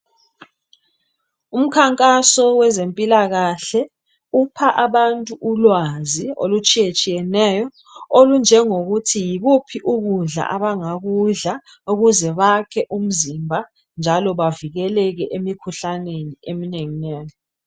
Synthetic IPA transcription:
um̩kʰaŋkʼasɔwɛzempʼilaɣaɬɛ | upʰaʔaβantʼuʔulwazio̰lut͡ʃʼijet͡ʃʼijɛnɛːjɔ | olund͡ʒʱɛŋoɣutʰijiɣupʰiʔuɣuɮa̰ʔaβaŋaɣuɮa | uɣuzɛβakʰɛʔum̩zimbʱa | nd͡ʒʱalɔβaviɣɛlɛɣɛʔemikʰuɬaneniemineŋinɛːni

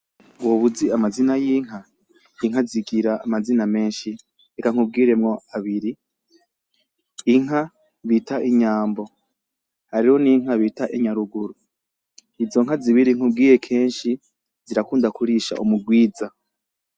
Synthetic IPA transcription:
woβuziamazinajiːŋ̥ɦa | iŋ̥ɦaziɡiɾaʔːmaziname̞ːnʃi | ekaŋ̥ub̚ɡiːɾe̞mŋo̞aβiɾi | ŋ̥ɦa | βitaʔiɲaːmbo̞ | haɾiho̞niŋ̥aβitaʔiɲaɾuɡuɾu | izo̞ŋɦaziβiɾiŋ̥ub̚ɡiːɾe̞kʰe̞ːnʃi | ziɾakuːndakuɾiʃa̰ʔumuɡwiːza

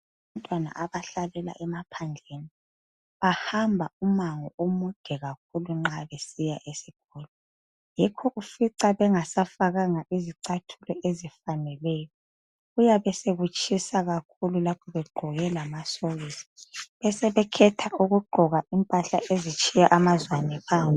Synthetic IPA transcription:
βantʼwana̰ʔaβaɬalɛla̰ʔɛmapʰand͡ɮʱeni | βahambʱaumaŋɔumud̥ʱɛɣak̚ʰuluŋ͡ǁaβesijaʔesiɣɔːlɔ | jɛkʰɔʔufiǀaβɛŋasafaɣaŋaʔiziǀatʰulɔʔezifanɛlɛjɔ | ɣujaβɛseɣut͡ʃʰʼisaɣakʰululapʰɔβɛɡ͡ǃʱɔɣɛlamasoɣisi̥βɛsɛβɛkʰɛtʰauɣuɡ͡ǃʱɔɣaimpʼaɬa̰ʔezit͡ʃʰʼijaʔamazwanɛpʰaːni

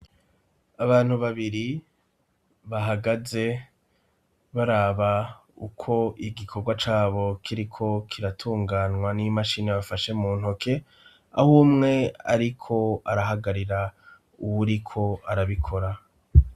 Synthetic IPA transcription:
aβaːn̥huβaβiɾi | βaɦaɡaze̞ | βaɾaːβa | ṵkʰo̞ʔiɡikʰo̞ɡwat͡ʃaːβo̞kʰiɾikʰo̞kʰiɾatʰuːŋɡaːnŋwanimaʃineβafaʃe̞muːn̥hokʰe̞ | a̰humŋe̞a̰ɾikʰo̞aɾaɦaɡaɾiɾa | uwuɾikʰo̞aɾaβikʰo̞ɾa

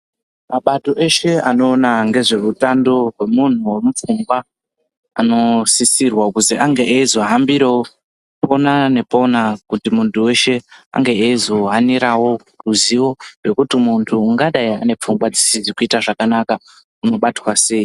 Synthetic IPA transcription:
maɓato̞ʔe̞ʃe̞ano̞ːnaŋɡe̞ʐe̞rutando̞rwe̞mun̤uwe̞mup͡fuŋɡwa | ano̞sisirwakuziʔaŋɡe̞ʔeizo̞ɦambiɾewo | po̞nane̞po̞nakutimuntʰuwe̞ʃe̞a̰ŋɡe̞eizo̞ɦaniɾawo̞ | ruziwo̞rwe̞kutimuntʰuːŋɡaɗaia̰ne̞p͡fuŋɡwad͡zisizikuitaʐakanaka | uno̞ɓatwase̞i

